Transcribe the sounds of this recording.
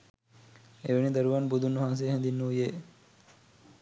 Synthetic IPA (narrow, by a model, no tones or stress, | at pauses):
eʋeɳid̪əɾuʋanbud̪ʱunːuɦãns̬eːɦɛ̃nd̪inːujeː